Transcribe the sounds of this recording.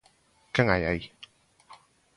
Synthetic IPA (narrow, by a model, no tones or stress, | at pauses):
kɛŋaja̰j